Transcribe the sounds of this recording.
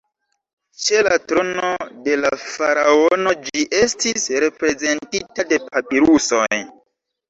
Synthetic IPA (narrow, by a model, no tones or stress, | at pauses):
t͡ʃe̞latɾo̞no̞de̞lafaɾao̞no̞d͡ʒiʔe̞stʰisɾe̞pɾe̞ze̞ntitade̞pʰapiɾuso̞j